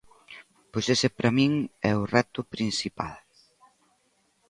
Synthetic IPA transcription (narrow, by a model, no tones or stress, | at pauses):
pojsesepɾɐmiŋɛʊrɛt̪ʊpɾinsipa̰l